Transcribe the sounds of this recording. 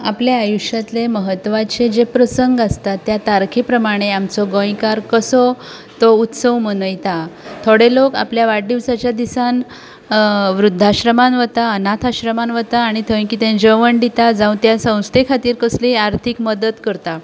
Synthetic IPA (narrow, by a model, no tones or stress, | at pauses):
a̰pljaajuɕjat̪leməɦət̪ːʋat͡ɕed͡ʑepɾəsəŋɡast̪at̪ːjat̪aɾkʰepɾəmaɽ̃eamt͡sɔɡõjkaɾkəsɔ | t̪out̪səwmənəjt̪at̪ʰoɽeloka̰pljaʋaɖiʋsat͡ɕjad̪isan | ʋɾud̪ʱːaɕɾəmanʋət̪aənat̪ʰaɕɾəmanʋət̪aːɽ̃it̪ʰəʋĩkiːt̪ẽnd͡ʑəʋəɳɖit̪ad͡zãũt̪jasə̃w̃st̪ʰekʰat̪iːɾkəsliaɾt̪ʰikməd̪ət̪kəɾt̪a